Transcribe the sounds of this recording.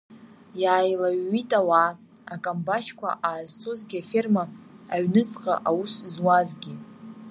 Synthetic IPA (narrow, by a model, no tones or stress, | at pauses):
jaːjlaɥːitʼawa | akʼambaʃkʷʰa̰ʔaːzt͡sʰʼozɡʲiafirmaaɥnɨt͡sʼqʼa̰ʔawuszwazɡʲi